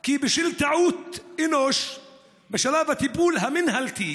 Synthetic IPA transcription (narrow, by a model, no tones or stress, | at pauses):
kiːbɪʃɪlt̪aʕuːt̪ɪnoʃ | baʃalaːbat̪ibuːlɦamɪnhalt̪iː